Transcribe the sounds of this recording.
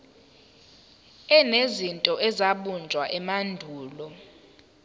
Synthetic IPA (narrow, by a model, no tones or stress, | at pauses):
ɛnezintʼɔʔɛzaɓund͡ʒʱwaʔɛmandʱuːlɔ